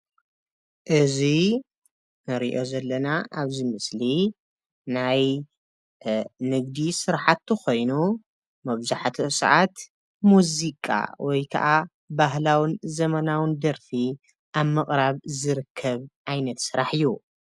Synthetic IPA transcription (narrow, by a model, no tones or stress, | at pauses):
ʔɨzi | nɨɾiʔo̞zɐlːɐnaʔaβzimɨsli | naj | nɨɡd̪isɨɾħat̪ːɨko̞jnu | mɐβzaħt̪ʰosɨ̰ʕat̪ | muzikʼa̰wʔɔjkʰɐ̰ʔa | baɦlawɨnzɐmɐnawɨnd̪ɐɾfi | ʔaβmɨχʼɾaβzɨɾɨkʰːɐβʔajnɐt̪sɨɾaħɨjːu